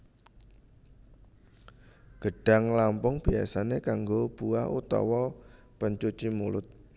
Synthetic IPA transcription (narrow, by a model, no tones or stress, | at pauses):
ɡ̥ə̤ɖ̥a̤ŋlampʊŋb̥ia̰sanekaŋɡob̥ua̰hṵt̪ɔ̰wɔ | pəɲt͡ʃut͡ʃimulʊt̪̚